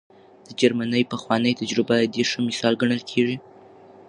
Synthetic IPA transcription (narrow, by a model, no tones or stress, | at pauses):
d̪̥əd͡ʒaɾmanəjpəxwɑnəjt̪ad͡ʒɾɪbad̪eʂəmɪsɑlɡaɳəlkʰeʐi